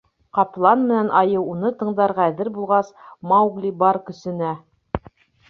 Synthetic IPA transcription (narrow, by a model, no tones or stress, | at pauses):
qɑplˠɑnmɘ̆nænʔɑjɤwunɤt̪ɤ̆ɴd̪ɑɾʁæðɘɾbulˠʁɑsmɑwɡlʲibɑɾkɵ̆sɘ̆næ